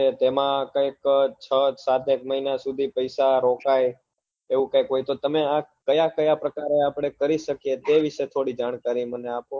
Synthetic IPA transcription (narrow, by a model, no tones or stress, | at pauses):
et̪emãkəjkt͡ʃʰəsat̪ekməɦinasud̪ʱipəjsaɾokaj | eʋũkajkɦojt̪ot̪əmeakəjakəjapɾəkaɾeapɽ̃ekəɾiʃəkjet̪eʋiʃet̪ʰoɽid͡ʒaɽ̃kaɾiməneapo